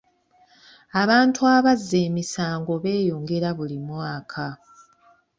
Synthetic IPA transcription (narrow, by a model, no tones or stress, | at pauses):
aβaːntʰuaβazːe̞ːmisaːŋɡo̞βe̞ːjo̞ːŋɡe̞ɾaβulimwaːkʰa